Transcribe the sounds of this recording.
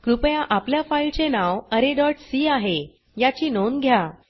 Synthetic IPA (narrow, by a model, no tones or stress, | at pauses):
kɾupjãʔapljafailt͡ɕenawəɾeɖɔʈsiaɦe | jat͡ɕiːnonɡʱja